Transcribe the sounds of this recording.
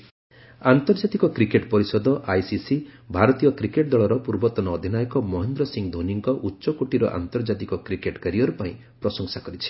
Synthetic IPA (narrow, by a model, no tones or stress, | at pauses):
ant̪ɔɾd͡ʒat̪ikɔkɾikeʈpɔɾisɔd̪ɔʔajsisibʱaɾɔt̪ijɔkɾikeʈ̚d̪ɔɭɔɾɔpuɾbɔt̪ɔnɔːd̪ʱinajɔkɔmɔɦend̪ɾɔsiŋd̪ʱoniŋkɔʔutːʃɔkoʈiɾɔ̰ʔa̰nt̪ɔɾd͡ʒat̪ikɔkɾikeʈkaɾijɔɾupaĩ | pɾɔsɔŋsakɔɾit͡ʃʰi̥